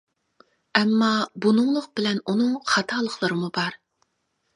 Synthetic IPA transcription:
ɛmːɑbunɨŋlˠʊq̚bɪlɛnunɨŋχɑt̪ʰɑːlˠəχlˠəɾɨmubɑɾ

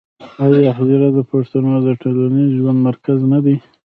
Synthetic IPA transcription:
awaxziɾad̪əpaʂt̪anod̪əʈoloniʒwand̪maɾkaznad̪i

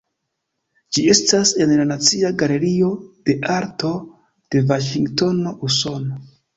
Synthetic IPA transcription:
d͡ʒie̞stase̞nlanat͡siaɡale̞ɾio̞d̥e̞ʔaɾto̞ | d̥e̞vaʃiŋɡto̞no̞ʔuso̞no

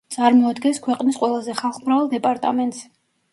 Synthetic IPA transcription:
d̪sʼaɾmɔad̪ɡɛnskʰwɛqʼnisqʼwɛlˠazɛχalˠχmɾavalˠd̪ɛpʼaɾt̪ʼa̰mɛnt̪ʼs

